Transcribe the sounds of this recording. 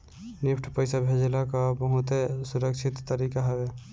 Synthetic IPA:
nɪpʰʈʰpəjsabʱed͡ʒelakabəɦʊt̪esʊɾəkʃʰɪt̪ːəɾiːkaɦɛʋe

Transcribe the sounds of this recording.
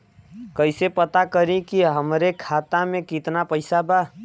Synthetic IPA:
kəɪsepət̪akəɾĩkiɦəmɾekʰat̪amẽkit̪napəɪsaba

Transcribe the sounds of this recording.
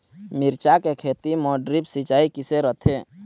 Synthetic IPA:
miɾt͡ʃakekʰet̪imɔːɖɾibsit͡ʃaːikɪseɾət̪ʰe

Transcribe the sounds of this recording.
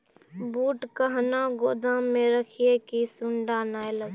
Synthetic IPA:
buːʈkəɦnaɡoːd̪ãmẽɾəkʰiekisʊ̃ɳɖanaːeləɡ

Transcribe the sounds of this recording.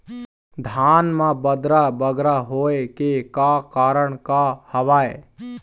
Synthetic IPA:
d̪ʱaːnmãbəd̪ɾabəɡɾaɦoːekekakaːɾəɽkahəʋaːe

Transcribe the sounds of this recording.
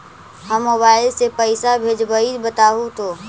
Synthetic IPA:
ɦəmːobaːɪlsepəɪsabʱed͡ʒbəibət̪aːɦũt̪ʰoː

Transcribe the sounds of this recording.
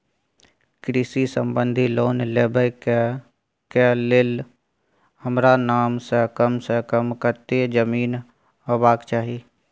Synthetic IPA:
kɾɪsisə̃mbə̃nd̪ʱiloːnleːbək | kelɪl | həmɾanaːmsəkəmsəkəmkəɾt̪ed͡ʒəmiːn | əbaːkt͡ʃaːɦi

